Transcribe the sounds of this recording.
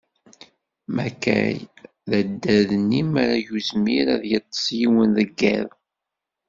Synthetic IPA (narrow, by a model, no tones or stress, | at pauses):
mækːæ̰j | ðæd̪ːæðənːimæɾajuzmiɾæðjət̪ˤːə̥sjiwənðəɡːæð